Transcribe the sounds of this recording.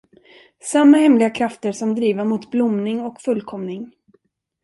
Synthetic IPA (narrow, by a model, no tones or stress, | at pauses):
samːahɛmlɪɡakʰɾaft̪əɾʂɔmd̪ɾiːvamʊt̪blʊmnɪŋɔkfɵlːkʰɔmnɪŋ